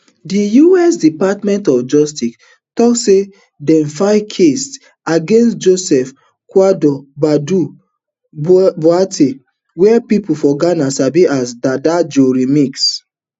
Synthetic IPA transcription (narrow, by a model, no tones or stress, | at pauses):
dijuɛsdipatmɛ̃ntɔfd͡ʒɔstik | tɔkse | dɛ̃nfaɪkʰest | aɡẽnstd͡ʒosɛf | kwadɔbadu | boatʰe | wɛpipufɔɡanasabiʔasdadad͡ʒoɾimiks